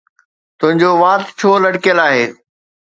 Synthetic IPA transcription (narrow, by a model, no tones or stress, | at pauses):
t̪ʊ̃ɦɪ̃ɲd͡ʑoʋaːt̪t͡ɕʰoːlɐɽkijəlaːɦeː